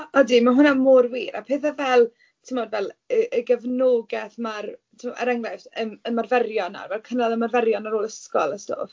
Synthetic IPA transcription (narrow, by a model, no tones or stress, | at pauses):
ɔdimaɦʊnamorwiːɾapʰeːθavɛlˠ | tʰɪmɔdvɛlˠəʔəɡəvnoːɡɛθmartʰɪmɔa̰ɾaŋlˠajfəməmarvɛrjɔna̰rvɛlˠkʰənalˠəmarvɛɾjɔnaɾoːlˠəskɔlˠəsto̰ːf